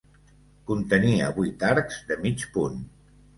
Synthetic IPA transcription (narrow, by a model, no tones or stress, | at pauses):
kunt̪əniə̰βujt̪aɾkzd̪əmit͡ʃpun